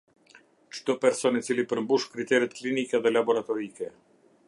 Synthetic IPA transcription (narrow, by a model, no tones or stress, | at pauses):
t͡ʃt̪ɔpɛɾsɔnit͡silipəɾmbuʃkɾit̪ɛɾɛt̪klinikɛðɛlabɔɾat̪ɔɾikɛ